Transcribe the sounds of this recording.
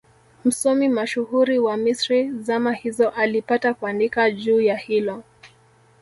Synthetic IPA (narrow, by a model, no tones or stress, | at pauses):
m̩sɔmimaʃuhuɾiwamisɾizamahizɔʔalipatakuandikaʄuːjahilɔ